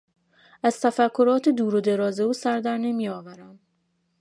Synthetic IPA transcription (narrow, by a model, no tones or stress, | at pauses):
ʔæz̥t̪ʰæfækʰːo̞ɾɒːt̪ʰed̪uːɾod̪e̞ɾɒːze̞uːsæɾd̪æɾne̞mijɒːvæɾæm